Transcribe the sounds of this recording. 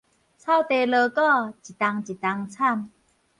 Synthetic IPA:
t͡sʰa˥˧˨wt̪e˨˩ləː˧kɔ˥˧t͡ɕi˨˩t̪a˧ŋt͡ɕi˨˩t̪a˧ŋt͡sʰa˥˨m

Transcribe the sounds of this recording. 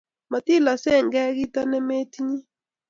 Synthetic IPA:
ma˨ti˦˨la˨sɛ˦˨ŋɡɛ˦ɡi˦ta˦nɛ˦me˦tɲi˦

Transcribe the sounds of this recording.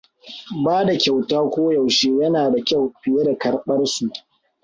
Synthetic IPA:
baː˦da˨kʲa˨wtaː˦kʷoː˦ja˨wʃeː˦jɐ˦naː˨da˨kʲa˦˨wɸɪ˨je˦da˨kɐ˨rɓɐ˦rsu˨ʔ

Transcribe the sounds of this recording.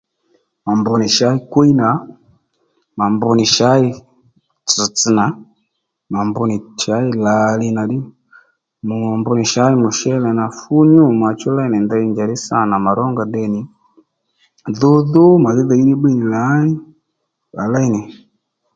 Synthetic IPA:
ma˨mbu˨ni˨ʃa˦i˦kwu˦i˦na˨˦ | ma˨mbu˧ni˨ʃa˨˦i˦ | t͡su˨t͡si˨na˨˦ | ma˨mbu˨ni˨t͡ʃa˦i˦la˨li˦na˨di˦ | mu˨mbu˧˦ni˨ʃa˦i˦mu˨ʃɛ˦lɛ˨na˨fu˦ɲu˦ma˨t͡ʃɔ˦la˦i˦nɛ˨nda˦i˦nd͡ʒa˨ɾi˦sa˦na˨ma˨ɾɔ˦ŋɡa˨dɛ˦ni˨ | ðu˦ðu˦ma˨ði˦ða˨i˦di˦bi˦ni˨la˦i˦ | a̰˨la˦i˨nɛ˨

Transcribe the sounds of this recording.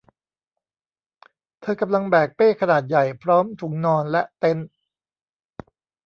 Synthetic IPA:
t̪ʰɤː˧ka˧mla˧ŋbɛː˨˩k̚peː˥˩kʰa˧naː˨˩t̪̚ja˨˩jpʰɾɔː˦˥mt̪ʰu˩˦ŋnɔː˧nlɛ˦˥ʔt̪e˦˥n

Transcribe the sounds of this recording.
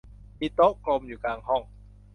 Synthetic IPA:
pi˦˧˥t̪o˦˥ʔklo˧mjuː˨˩kaː˧ŋhɔ˥˩ŋ

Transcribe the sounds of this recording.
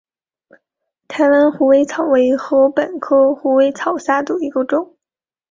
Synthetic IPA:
t̪ʰa˧˥ɪwa˧˥nxu˧˥we˥ɪt͡sʰɑ˨˩ʊwe˧˥ɪxɤ˧˥pə˨˩nkʰɤ˥xu˧˥we˧˥ɪt͡sʰɑ˨˩ʊɕja˥t̪u˨˩i˧˥ko˥˩ʈ͡ʂʊ˥˩˦ŋ

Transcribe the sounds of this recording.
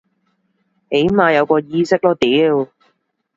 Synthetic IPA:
he˨˥jmaː˨˧jɐ˨˧wkɔː˧jiː˧sɪ˥k̚lɔː˥t̪iː˨˥w

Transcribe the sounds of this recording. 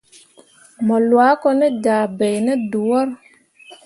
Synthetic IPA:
mɔ˨lwaː˨˦kɔ˦nɛ˦daː˨bɛ˨jnɛ˦du˨wɔ˦ɾ

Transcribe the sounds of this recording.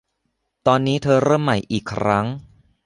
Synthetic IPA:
t̪ɔː˧nːiː˦˥t̪ʰɤː˧ɾɤː˥˩mːa˨˩jʔiː˨˩kʰːɾa˦˥ŋ

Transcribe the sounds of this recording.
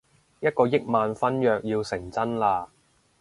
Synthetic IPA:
jɐ˥t̚kɔː˧jɪ˥k̚maː˨˧nfɐ˥njœː˨k̚jiː˧wsɪ˨˩ŋt͡sɐ˥nlaː˧

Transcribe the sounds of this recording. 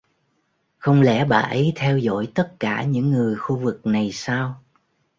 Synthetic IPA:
xə˧wŋ͡mlɛ̰˧˥ɓa̰ː˨˩ʔə˨˦jt̪ʰɛ˧wzɔ̰˧˥jt̪ə˦˥t̚kaː˧˩ɲɨ̰˧˥ŋːɨ˨˩əjxu˧vɨ˨˩k̚na˨˩jsaː˧w

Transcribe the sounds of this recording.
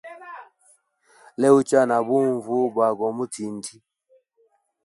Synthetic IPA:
lɛ˦u˦t͡ʃa˦na˨bu˦ɱvu˦ba˨ɡɔ˨mu˦ti˨n˨tʰi˦

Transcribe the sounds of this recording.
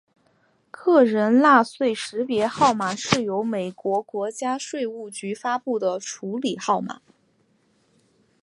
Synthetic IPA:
kʰɤ˥˩ɻə˧˥nla˥˧swe˥˩ɪʂɻ̩˧˥pjɛ˧˥xɑ˥˩ʊma˨˩ʂɻ̩˥˩jo˧˥ʊme˨˩ɪkwɔ˧˥kwɔ˧˥t͡ɕja˥ʂwe˥˧ɪu˥˩t͡ɕy˧˥fa˥pu˥˩d̪ə˩ʈ͡ʂʰu˧˥li˨˩xɑ˥˩ʊma̰˨˩˦

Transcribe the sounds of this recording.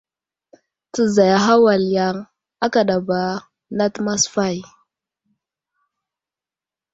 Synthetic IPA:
tə˨za˨ja˨ɦa˦wa˨lja˨ŋ | a˦ka˨ɗa˨ba˨ | na˦tma˦sfa˦˨j

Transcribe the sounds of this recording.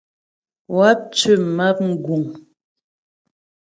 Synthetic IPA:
wa˦p̚t͡ʃʉ˦˨ma˦p̚ŋ̩˦ɡu˨ŋ

